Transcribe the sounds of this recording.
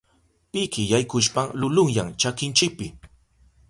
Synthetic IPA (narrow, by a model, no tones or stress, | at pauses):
pɪkɪjajkʊʃpaŋlʊlʊŋjaŋt͡ʃakɪnt͡ʃɪk̚pɪ